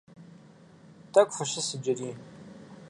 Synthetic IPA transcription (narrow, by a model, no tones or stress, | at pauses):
tʰɐkʷʼfɨɕɪsɨd͡ʒɐɾiːn